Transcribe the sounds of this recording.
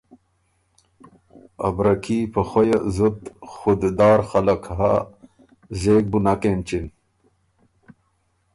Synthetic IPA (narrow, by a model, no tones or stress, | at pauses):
ɐ̰bɾɐkiːpɐxojazut̪xud̪d̪ɑːɾxɐlɐkɦa | zeːk̚bunakent͡ɕin